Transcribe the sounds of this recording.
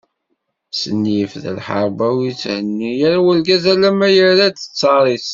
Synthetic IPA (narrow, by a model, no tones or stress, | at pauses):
sənːifðə̰lħə̰ɾˤbæwit͡sːhənːijæɾwəlɡæzælæmæjəɾad̪ə̥t͡sːɑɾˤis